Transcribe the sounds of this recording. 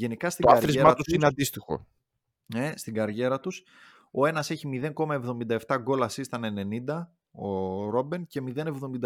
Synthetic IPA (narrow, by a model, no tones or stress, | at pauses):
ʝe̞nikɐst̪ioaɐɾɾizemɐt̪usineɐnd̪ist̪ixo̞̰ | nest̪iɡɐɾʝe̞ɾɐt̪us | o̞e̞nɐse̞çimiðe̞ŋko̞mɐe̞vðo̞mind̪ɐe̞ft̪ɐɡo̞lɐsist̪ɐnene̞nind̪ɐ | oɾo̞bence̞miðe̞ne̞vðo̞mind̪